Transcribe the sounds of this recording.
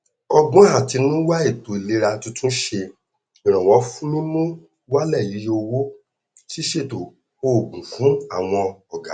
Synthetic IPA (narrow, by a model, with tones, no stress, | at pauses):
ɔ˧ɡ͡bɔ̃˦ɦa˨ti˨˧nũ˦wa˦e˦˨to˨i˨le˨˦ɾa˧tũ˦tũ˦ʃe˧ | i˨ɾ̃ã˨w̃ɔ̃˨˦fũ˦nĩ˦nũ˦ | wa˦lɛ˦˨ji˨˦o˧wo˦ | ti˦ʃe˦˨to˨ | o˦˨ɡũ˨fũ˨˦a˦˨w̃ɔ̃˧ɔ˨ɡa˨˦